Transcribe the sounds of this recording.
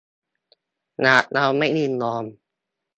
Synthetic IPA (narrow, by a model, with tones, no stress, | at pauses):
naː˨˩t̪̚na˧wma˥˩jnɯ˧˩nlɔː˧m